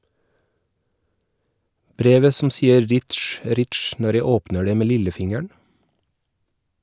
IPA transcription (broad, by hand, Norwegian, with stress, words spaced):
ˈbɾeːʋə sm̩ ˈsiːəɾ ˈɾɪʈʃ ˈɾɪʈʃ ˈnɔɾ ˈjæɪ ˈoːpnə ˈɖeː ˈmeː ˈlɪləˌfɪŋəɳ